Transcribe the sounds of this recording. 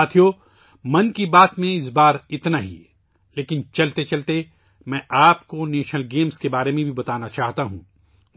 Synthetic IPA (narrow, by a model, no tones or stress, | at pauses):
aːt̪ʰijo | mɐnkibaːt̪mẽɪs̬baːɾɪt̪naɦḭ | leːkɪnt͡ʃɐlt̪et͡ʃɐlt̪e | mɛ̃ːʔaːpkoneːʃnəlɡeːmskebaːɾemẽbʱibɐt̪aːnat͡ʃaːɦt̪aɦṵ̃ː